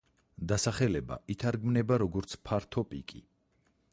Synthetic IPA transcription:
d̪asaχɛlɛba̰it̪ʰaɾɡmnɛbaɾɔɡɔɾt̪sʰpʰaɾt̪ʰɔpʼḭkʼḭ

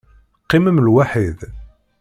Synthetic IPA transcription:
qːiməmlwaħið

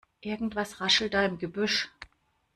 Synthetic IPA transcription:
ʔɪɐɡŋ̩tv̥asʁaʃl̩daːɪmɡəbʏʃ

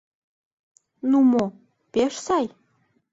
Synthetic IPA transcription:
numo | peʃsɑj

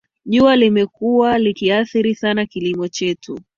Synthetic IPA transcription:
ʄualimɛkuwalikiaθiɾisanakilimɔt͡ʃɛtʰu

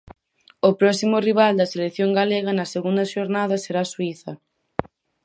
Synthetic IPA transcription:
ʊpɾɔsimʊriβ̞ald̪ɐselekθjoŋɡaleɣɐnɐseɣund̪ɐʃoɾnaðɐseɾaswiθɐ

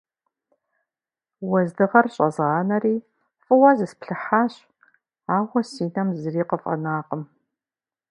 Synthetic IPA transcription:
wɐzdɨʁɐrɕʼɐzaːnɐriː | fʼɨwɐzɨspɬɨħaːɕ | aːwɐsiːnɐmzɨriːqəfʼɐ̰naːqəm

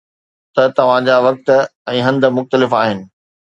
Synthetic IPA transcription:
t̪ɐt̪ɐʋ̤ãd͡ʑaːʋɐk̚t̪ɛ̃ːɦɐ̃nd̪ə̆mʊxt̪əlɪfaːɦɪnɪ̆

